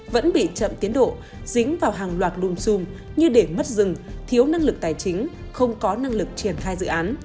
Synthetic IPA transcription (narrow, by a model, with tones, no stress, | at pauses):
və̰˧˥nɓḭ˧˨t͡ɕə̰˧˨mt̪i˨˦ənɗo̰˧˨ | z̥ï˨˦ŋ̟vaː˨˩wɦaː˨˩ŋlwaː˨˩t̚ɗu˧əmsu˧mɲɨ˧ɗe˧˩mə˦˥t̚zɨ˨˩ŋt̪ʰi˨˦əwna˧ŋlɨ˨˩k̚t̪aː˨˩jt͡ɕï˨˦ŋ̟ | xə˧wŋ͡mkɔ˨˦na˧ŋlɨ˨˩k̚t͡ɕi˧˩ənxaː˧jzɨ̰˧˨ʔaː˨˦n